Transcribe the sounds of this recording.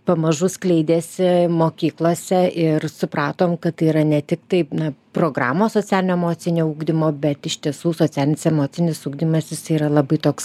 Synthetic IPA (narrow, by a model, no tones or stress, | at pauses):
pɐmɐʒʊsklʲɛɪd̪ʲeːsʲɪmoːkʲiːklˠoːsʲɛɪrsʊpɾɑːt̪oːmkɐtt̪ɐɪiɾɐnʲɛt̪ʲɪkt̪ɐɪnɐproːɡɾɑ̰ːmoːsoːt͡sʲæːlʲɪnʲoːɛmoːt͡s̪ʲɪnʲoːuːɡd̪ʲɪmoːbʲɛt̪ɪʃʲt̪ʲiɛsuːsoːt͡sʲæːlʲɪnʲɪsɛmoːt͡s̪ʲɪnʲɪsuːɡd̪ʲɪmɐsʲjɪsiːɾɐlˠɐbɐɪt̪oːks